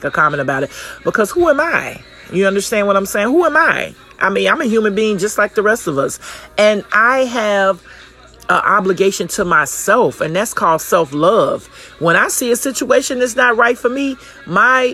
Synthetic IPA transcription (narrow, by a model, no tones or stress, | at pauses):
kɨkʰɑmɨ̃ɾ̃ɨbaʊɾɨt̚b̥əkʰʌz̥huə̃maɪ | jɨʌ̃ndə˞stæ̃ndwʌɾãɪ̃mseɪɪ̃ŋhuə̃maɪ | ʔa̰ɪmĩnãɪ̃mɨjʉmɨ̃nbiɪ̃ŋd͡ʒʌst̚ˡlaɪk̚ðəɹɛstʌvʌsɨ̃naɪɨv | əʔɑbləɡeɪʃɨ̃ntʰəmaɪsɛlˠfɨ̃nðætskʰɔlˠd̥sɛlˠflʌv̥ | wə̃naɪsiɨsɪt͡ʃueɪʃɨ̃nðɨts̬nət̚ɹaɪtfə˞mi | maɪ